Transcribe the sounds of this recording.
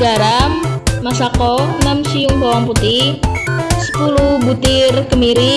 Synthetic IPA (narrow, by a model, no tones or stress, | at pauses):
aɾamːasakɔnamsiʊŋbawaŋput̪ɪhsə̥pulubut̪ɪrkəmiɾi